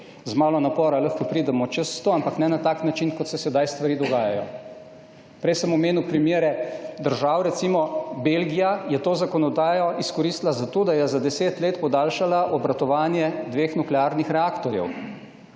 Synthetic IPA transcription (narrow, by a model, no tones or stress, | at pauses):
zmaːlɔnapɔːɾaləxkɔpɾiːd̪ɛmɔt͡ʃɛst̪oampaknɛnat̪aːknat͡ʃinkɔt̪sɛsɛd̪ajst̪ʋaɾiːd̪ɔɡaːjajɔ̰ | pɾɛjsəmɔmeːnuwpɾimjeːɾɛd̪əɾʒaːwɾɛt̪simɔbelɡijajɛt̪oːzakɔnɔd̪aːjɔiskɔɾiːst̪lazat̪oːd̪ajɛzad̪ɛseːt̪leːt̪pɔd̪aːlʃalaʔɔbɾat̪ɔʋaːnjɛd̪ʋeːxnuklɛaːɾnixɾɛaːkt̪ɔɾjɛ̰w